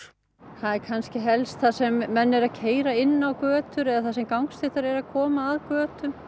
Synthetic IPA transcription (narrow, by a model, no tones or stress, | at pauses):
θaðɛɾkʰanscɪɦɛlst̪θasɛmːɛnːɛɾaðcʰeːjɾaɪnːawkœːt̪ʏɾɛðaθasɛmkawŋkst̪ɪht̪aɾɛɾaðkʰɔːmaːðkœːt̪ʏm